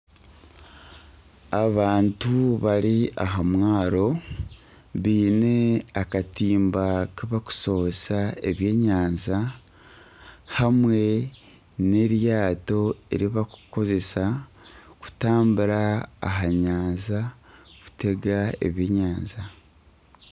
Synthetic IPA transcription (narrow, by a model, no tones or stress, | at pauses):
aβaːntuβaɾiaɦamwaːɾo̞ | βiːne̞akatiːmbakiβaku̥so̞osae̞βje̞ːɲaːnza | hamwe̞ | ne̞ɾjaːto̞ḛɾiβaku̥ko̞ze̞sa | ku̥taːmbuɾa̰ːɦaɲaːnzaku̥te̞ɡae̞̰βjeːɲaːnza